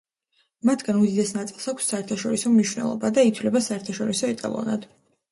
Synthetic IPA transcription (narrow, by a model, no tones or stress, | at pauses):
mat̪ʰɡanud̪id̪ɛsnat̪sʼilˠsakʰsːaɛɾt̪ʰaʃɔɾisɔmniʃwnɛ̰lˠɔ̰bad̪ait̪ʰwlɛbasaɛɾt̪ʰaʃɔɾisɔɛt̪ʼa̰lˠɔ̰na̰d̪̥